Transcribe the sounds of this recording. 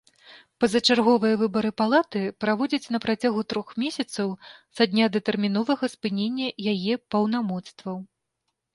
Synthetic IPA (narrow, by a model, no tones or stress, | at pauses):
pɐzɐt͡ʂarɣɔvɨjɐvɨbɐɾɨpalˠat̪ɨpɾavɔd͡zʲɐt͡sʲn̪ɐpɾat͡sʲaɣut̪ɾɔxmʲesʲɐt̪sɐwsad̪ʲnʲad̪ɐt̪ɛrmʲin̪ɔvɐɣɐspɨnʲenʲːɐjajɛpɐwnamɔt̪st̪vɐw